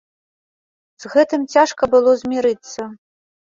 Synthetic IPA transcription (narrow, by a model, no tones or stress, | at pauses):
z̥ɣɛt̪ɨmt͡sʲaʂkɐbɨlˠɔzʲmʲiɾɨt̪sːɐ